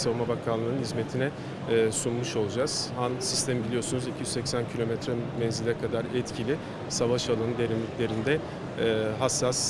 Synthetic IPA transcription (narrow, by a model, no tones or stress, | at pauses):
savumabakʰanlːˠɯnɯnhizme̞t̪ʰinɛː | sunmuʃo̞lˠud͡ʒaz̥hansist̪ʰemibilʲijo̞sunuzicʰijyzsɛcsæncʰilʲo̞mɛt̪ɾɛbɛnzilʲɛkʰad̪aɾɛt̪cʰilʲɪ | savaʃalˠanɯd̪e̞ɾimlʲiclʲe̞ɾind̪ɛː | ɦasːas